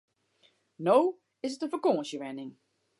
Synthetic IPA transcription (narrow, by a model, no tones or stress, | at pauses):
now | ɪsətəfəkoːə̃nsjəʋɛnɪŋ